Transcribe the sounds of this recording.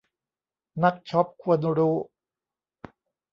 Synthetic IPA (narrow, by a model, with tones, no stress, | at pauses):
na˦˥k̚t͡ɕʰɔ˦˥p̚kʰu˧ən˧ɾuː˦˥